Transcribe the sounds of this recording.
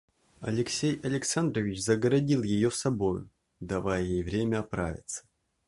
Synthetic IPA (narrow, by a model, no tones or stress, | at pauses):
ɐ̰lʲɪksʲejɐlʲɪksand̪ɾəvʲɪt͡ɕzəɡəɾɐdʲilˠjɪjosɐbo̞jʊ̰ | d̪ɐvajjejvɾʲemʲəɐpɾa̰vʲɪ̰t̪sə̥